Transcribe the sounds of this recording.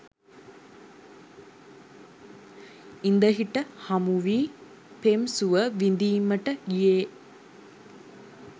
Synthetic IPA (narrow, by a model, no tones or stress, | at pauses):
ɪnd̪ɐɣɪʈːɐhɐmuʋi | pemsuʋɐʋind̪imːɐʈːɐjeː